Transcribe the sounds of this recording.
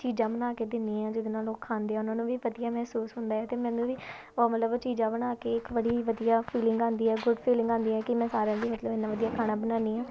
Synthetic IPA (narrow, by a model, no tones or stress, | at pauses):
t͡ʃiːd͡ʒãːbənaːkeːd̪ɪnːiːãːd͡ʒɪd̪nãːloːkʰːaːnd̪eːɛːʊnãːnũːʋiːʋəd̪ijaːmɛɦsuːsɦʊnd̪aːɦɛːt̪eːmɛ̃ːnũːʋiː | oːmət̪ləbt͡ʃiːd͡ʒãːbənaːkeːɪkʋəɽiːʋəd̪ijaːpʰiːlɪŋɡãːnd̪iːɛːɡʊɖpʰiːlɪ̃ŋɡãːnd̪iːɛːkɪmɛ̃ːsaːɾãːd̪iːmət̪ləbɪnːãːʋəd̪ijaːkʰaːɽ̃aːbənãːniːãː